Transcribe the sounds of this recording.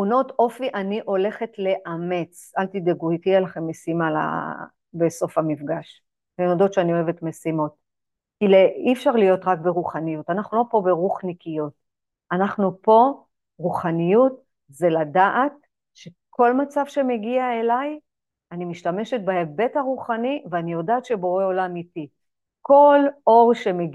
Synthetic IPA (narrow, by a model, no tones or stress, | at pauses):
uno̞to̞fiʔaniʔo̞le̞χe̞tle̞ʔame̞t͡salt̪ideɡujtialaχemːesimala̰ | beso̞famifɡaʃ | menodo̞tʃeanio̞eve̞tmesimo̞t̚ | kileifʃaʁlijo̞tʁakbeʁuχanijutanaχnulo̞po̞beʁuχnikijut̚ | anaχnupo̞ | ʁuχanijut | zeladaʔat | ʃe̞ | kʰo̞lmat͡savʃe̞me̞ɡiae̞laj | animiʃtame̞ʃet̚baebe̞taʁuχaniveanijo̞daːtʃe̞boʁeolamiti | ko̞lo̞ʁʃe̞meɡ